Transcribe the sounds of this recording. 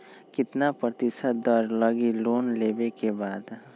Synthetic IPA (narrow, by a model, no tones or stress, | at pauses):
kɪt̪napɾət̪ɪsət̪ɔɾləɡiloːnleːbekebaːd̪